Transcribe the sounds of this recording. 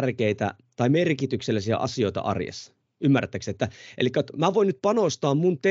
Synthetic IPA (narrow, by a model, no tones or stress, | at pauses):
rkeit̪æ̰ | t̪ɑimerkit̪ykselːæsiæ̰ʔɑ̰sio̞it̪ɑ̰ʔɑ̰rjḛsːɑ̥ | ymːært̪ːæksiet̪ːæʔḛlikːæjot̪mæʋoinyt̪̚pɑnost̪ɑːmːmunt̪e